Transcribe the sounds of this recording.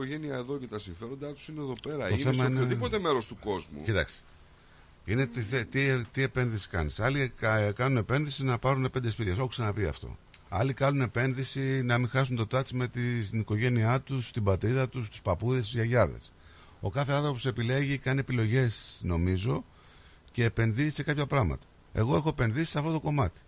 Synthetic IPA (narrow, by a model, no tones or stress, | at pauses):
koʝe̞niɐeðoce̞t̪ɐsiɱfe̞ɾo̞nd̪ɐt̪u̥sineeðo̞pe̞ɾɐoθemɐinoðipo̞t̪e̞me̞ɾo̞st̪uko̞zmṵcit̪ɐ̰ksi̥ | ine̞t̪iθet̪it̪ie̞pe̞nðisi̥kɐ̰nisɐlikkɐnune̞pe̞nðisinɐpɐɾuneped̪espit̪çɐs̬oxksɐnɐpiɐ̰ft̪o̞̰ɐ̰likɐnune̞pe̞nðisinɐmiŋxɐsunt̪o̞t̪ɐt͡sime̞t̪iniko̞ʝe̞niɐt̪ust̪ibɐt̪ɾiðɐt̪ust̪u̥spɐpuðest̪izʝɐʝɐðe̞̰s | o̞kɐθe̞ɐnθɾop̬osepile̞ʝikɐnie̞pilo̞ʝe̞sno̞mizo̞ | ce̞ːpe̞nði̥se̞kɐpçɐpɾɐɣmɐ̰t̪ɐ̥ | e̞̰ɣo̞e̞xo̞e̞pe̞nðisi̥sɐft̪o̞t̪oko̞mɐt̪i̥